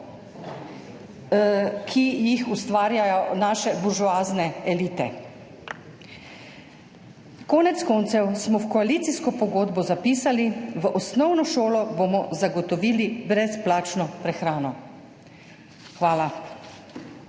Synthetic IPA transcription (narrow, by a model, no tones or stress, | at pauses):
kʰijixust̪ʋaːɾjajɔnaːʃɛbuɾʒuaːznɛɛliːt̪ɛ̰ | kɔːnɛt̪skɔːnt̪sɛwsmɔwkɔaliːt̪siskɔpɔɡoːd̪bɔzapiːsaliʋəʔɔsnɔwnɔʃoːlɔbomɔzaɡɔt̪ɔʋiːlibɾɛsplaːt͡ʃnɔpɾɛxɾaːnɔ | xʋaːla